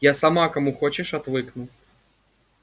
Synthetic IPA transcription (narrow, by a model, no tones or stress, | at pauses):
jasamakɐmuxɔt͡ɕɪʂat̪vɨknu